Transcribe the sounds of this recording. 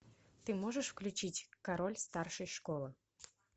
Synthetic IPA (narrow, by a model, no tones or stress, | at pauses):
t̪ɨmoʒəʂfklʲʉt͡ɕitʲkaɾolʲst̪arʃɨjʃkolˠə